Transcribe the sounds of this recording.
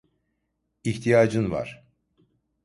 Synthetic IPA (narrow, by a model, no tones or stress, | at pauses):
iht̪ʰijaːd͡ʒɯnva̰ɾ̥